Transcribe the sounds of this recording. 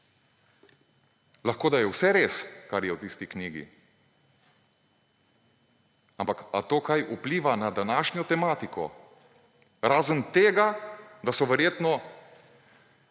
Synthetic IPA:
laxkoːd̪ajɛwsɛɾeːskaɾjɛwt̪ist̪ikniːɡḭ | ampaka̰t̪oːkajʔupliːʋanad̪anaːʃnʲjɔt̪ɛmaːt̪ikɔ̰ | ɾaːzənt̪eːɡad̪asɔʋɛɾjeːt̪nɔ

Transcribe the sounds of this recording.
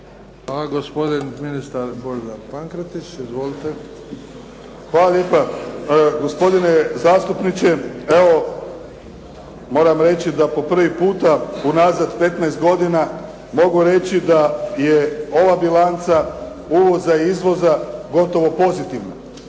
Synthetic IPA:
xalaɡospod̪inminist̪aɾboɾd̪apaŋkɾet̪it͡ʃizʋolit̪e | xʋaːlaljeːpa | ɡo̞spo̞d̪ine̞zaːst̪upnit͡ʃe̞eo̞ | mo̞ːɾamɾe̞t͡ɕid̪apo̞pr̩ʋipuːt̪aunaːzad̪pe̞t̪naest̪ɡo̞d̪ina | mo̞ɡuɾe̞t͡ʃid̪ajeo̞ʋabilant̪sa | uʋo̞zaiizʋo̞zaɡo̞t̪o̞ʋo̞po̞zit̪iʋna̰

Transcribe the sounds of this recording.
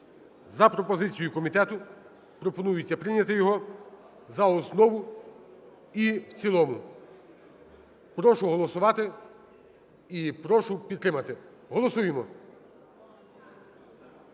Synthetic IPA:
zɐpɾɔpɔzɪt͡sʲijʊkɔmʲit̪ɛt̪ʊ | pɾɔpɔnujʊt͡sʲːɐpɾɪnʲɐt̪ɪjɔɦɔ | zɐɔsnɔʋʊ | iwt͡sʲilˠɔmʊ | pɾɔʃʊɦɔlˠɔsʊʋɑt̪ɪ | ipɾɔʃʊpʲid̪t̪ɾɪmɐt̪ɪ | ɦɔlˠɔsujemɔ

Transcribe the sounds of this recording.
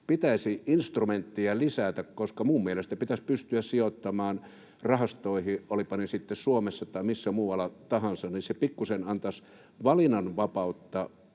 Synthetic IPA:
pit̪æisiʔinst̪rument̪ːiɑlisæt̪ækkoskɑmuːmmielest̪æpit̪æspyst̪yæssiot̪ːɑmɑːn | rɑhɑst̪oˑihiʔolipɑnisit̪ːessuomesːɑt̪ɑimisːæmuːwɑlɑt̪ɑhɑnsɑnnisepikːusenɑnt̪ɑs | ʋɑlinɑnʋɑpɑˑut̪ːɑ

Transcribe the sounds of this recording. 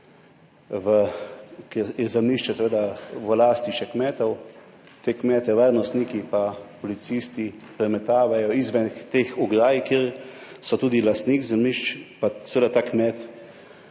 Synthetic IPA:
ʋəkɛjɛzɛmniʃt͡ʃɛsɛʋeːd̪aʋəlaːst̪iʃɛkmɛːt̪ɔw | t̪ekmɛːt̪ɛʋaːɾnɔst̪niːkipapɔlit̪sist̪ipɾɛmɛt̪aːʋajɔizʋɛnxt̪exɔɡɾaːjikeːɾsɔt̪uːd̪ilast̪niːkzɛmniʃt͡ʃpasɛʋeːd̪at̪aːkmɛt̪

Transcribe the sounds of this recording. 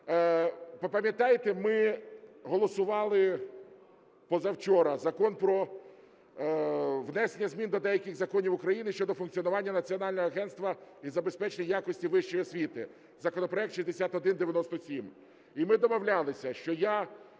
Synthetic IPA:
pɐpɐmʲjɐt̪ɑjt̪emɪɦɔlˠɔsʊʋɑlˠɪ | pɔzɐwt͡ʃɔɾɐzɐkɔnpɾɔ | ʋnɛsenʲːɐzʲmʲind̪ɔd̪ɛjɐkʲɪɣzɐkɔnʲiwʊkɾɐjinɪʃt͡ʃɔd̪ɔfʊnkt͡sʲijɔnʊʋɑnʲːɐnɐt͡sʲiɔnɑlʲnɔɦɔɐɦɛnst̪ʋɐizɐbe̞spɛt͡ʃenʲijakɔsʲtʲiʋɪʃt͡ʃɔjɔsʲʋʲit̪ɪ | zɐkɔnɔpɾɔɛk̚t̪ʃizʲd̪esʲat̪ɔd̪ɪnd̪eʋʲjɐnɔst̪ɔsʲim | imɪd̪ɔmɔwlʲalˠɪsʲɐʃt͡ʃɔja

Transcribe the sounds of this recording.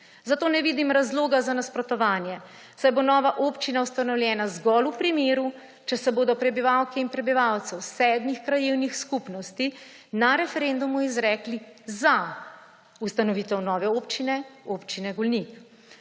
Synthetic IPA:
zat̪oːnɛʋiːd̪imɾazloːɡazanaspɾɔt̪ɔʋaːnjɛ | sajbonɔːʋaʔopt͡ʃinawst̪anɔwljɛːnazɡɔlupɾimeːɾu | t͡ʃɛsɛboːd̪ɔpɾɛbiʋawkɛinpɾɛbiʋawt̪sɛwsɛːd̪mixkɾajeːwnixskupnɔst̪i | naɾɛfɛɾeːnd̪umuizɾɛːkliza | ust̪anɔʋiːt̪ɛwnɔːʋɛoːpt͡ʃinɛoːpt͡ʃinɛɡɔlnik

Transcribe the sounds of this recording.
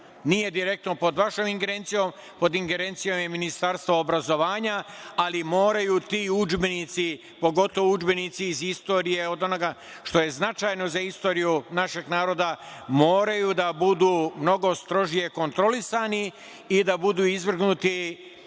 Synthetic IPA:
nije̞d̪iɾe̞k̚t̪no̞po̞d̪ʋaʃoːmiŋɡe̞ɾeːnt̪sijo̞ːm | po̞d̪iŋɡe̞ɾe̞nt̪sijo̞ːmje̞minist̪aɾst̪ʋoːbɾazo̞ʋaːɲaalimo̞ːɾajuːt̪iːud͡ʒbe̞nit̪si | po̞ɡo̞t̪o̞ʋoud͡ʒbe̞nit̪siːzist̪o̞ːɾije̞o̞d̪o̞noɡa | ʃt̪o̞je̞znat͡ʃaːjno̞zaist̪o̞ːɾijunaʃe̞ɡnaːɾo̞ːd̪amo̞ːɾajuːd̪abud̪uːmno̞ɡo̞st̪ɾo̞ʒije̞ko̞nt̪ɾo̞lisani | id̪abud̪uːizʋr̩ɡnut̪i

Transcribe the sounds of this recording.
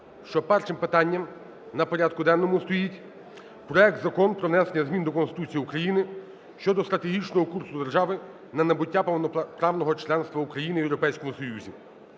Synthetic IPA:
ʃt͡ʃɔpɛrʃɪmpɪt̪ɑnʲːɐm | nɐpɔɾʲad̪̚kʊd̪ɛnːɔmʊst̪ɔjitʲ | pɾɔɛk̚t̪zɐkɔnpɾɔʋnɛsenʲɐzmʲind̪ɔkɔnst̪ɪ̥t̪ut͡sʲijiukɾɐjinɪ | ʃt͡ʃɔd̪ɔst̪ɾɐt̪eɦʲit͡ʃnɔɦɔkursʊd̪erʒɑʋɪ | nɐnɐbʊtʲːapnpɾɑʋnɔɦɔt͡ʃlˠɛnst̪ʋɐukɾɐjinɪʋjewɾɔpɛjsʲkɔmʊsɔjuzʲḭ

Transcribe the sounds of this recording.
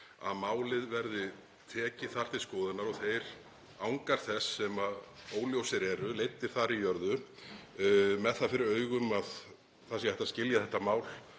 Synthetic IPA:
a̰ðmaːwlɪðvɛɾðɪ | t̪ʰɛːcɪθar̥t̪ɪ̥skɔːðɪnːaɾɔθejɾ̥ | awŋkaɾ̥θɛsːɛmaoːwljowsɪɾɛɾʏlejt̪ːɪɾ̥θaɾijœɾðʏ | mɛðθafɪɾɪɾœːɥɣʏmað | θasjhɛht̪ascɪljaθɛht̪ːamaːwl̥

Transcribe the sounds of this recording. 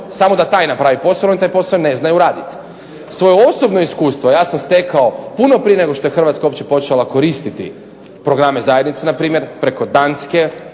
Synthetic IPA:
samod̪at̪aːjnapɾaːʋipo̞saonit̪ajpo̞saone̞znajuɾaːd̪it̪ | sʋo̞jeosobno̞iskuːst̪ʋo̞jaːsamst̪e̞kao̞punopɾije̞ne̞ɡo̞ʃt̪oe̞xr̩ʋat̪skaopt͡ɕepo̞t͡ʃelˠako̞ɾiːst̪it̪ḭ | pɾo̞ɡɾamezajed̪nit̪senapɾiːmʲje̞ɾpɾe̞ko̞d̪aːnske̞

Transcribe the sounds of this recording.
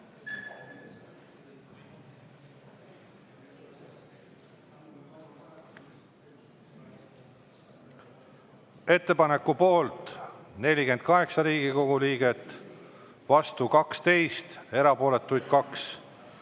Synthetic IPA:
e̞t̪ˑːe̞pɑne̞kːupo̞ːlt̪ne̞lʲike̞nd̪̥̚kɑɦe̞ksɑɾiːɡ̥iko̞ɡuliːɡ̥e̞t̪ːˑ | vɑst̪ukɑkst̪e̞jst̪e̞ɾɑpo̞ːle̞t̪ːˑujd̪̥̚kɑks

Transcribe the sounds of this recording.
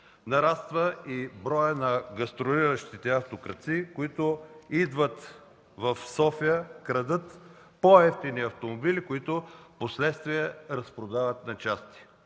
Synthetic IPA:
nɐɾast̪vəibɾɔjənɐɡɐst̪ɾoɾiɾəʃt̪it̪ɛɐft̪okɾɐt̪sikoit̪ʊid̪vət̪ | vɐfsɔfijəkɾɐd̪ɤt̪ | poɛft̪iniɐft̪omobilikoit̪ʊposlɛt̪st̪viɛɾɐspɾod̪avət̪nɐt͡ʃast̪i̥

